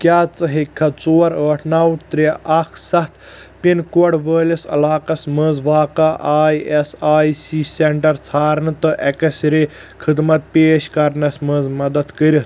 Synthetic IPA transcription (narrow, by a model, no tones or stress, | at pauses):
kʲjaːt͡sɐɦikʰːɐt͡soːɐɾəːʈʰnaːwt̪ɾʲeʔɐkʰsɐt̪ | pinkoɽʋəːlisɐ̰laːqɐsməzʋaːkɐʔaːiesaːisiːseɳʈɐɾt͡sʰaːɾnɨt̪ɨʔɐkɐsɾi | kʰɨd̪mɐt̪̚peːʃkɐɾnɐsməzmɐd̪ɐd̪kəɾʲis